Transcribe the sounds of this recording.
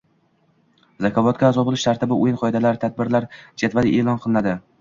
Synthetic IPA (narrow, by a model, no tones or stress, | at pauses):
zakʲʰɒvɒt̪̚ɡʲaːzɒbolɪʃt̪ʰaɾt̪ʰɪbɪʊjɪnqʰɒɪd̪alaɾt̪ʰad̪̚bɪɾlaɾd͡ʒat̪vaɪʔeːlˠɒnqʰɨlˠɪnad̪ɪ